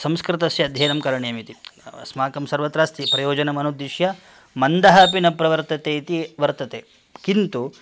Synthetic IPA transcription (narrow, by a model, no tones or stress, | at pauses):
sɐmskɾit̪ɐsjɐɐd̪ʱjɐːnɐmkɐɾɐɳejɐmit̪ismaːkɐmsɐɾʋɐt̪ɾaːst̪ipɾɐjoːd͡ʒɐnɐmɐnud̪ːiʃjɐ | mɐnd̪ɐɦɐpinɐpɾɐʋɐɾt̪ɐt̪eːit̪iʋɐɾt̪ɐt̪ḛː | kint̪u